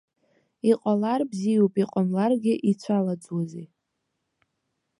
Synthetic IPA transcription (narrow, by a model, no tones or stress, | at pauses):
iqʼalarbzijupʼiqʼamlarɡʲɪʔit͡sʷʰalad͡zwazi